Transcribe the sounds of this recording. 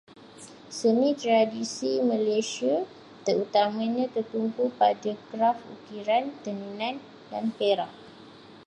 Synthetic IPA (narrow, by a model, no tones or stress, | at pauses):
sənĩt̪ɾadisimãlesia | t̪əɾut̪amãɲãt̪ərt̪umpupadaɡɾafṵkiɾant̪əninãn | da̰npeɾa̰ʔ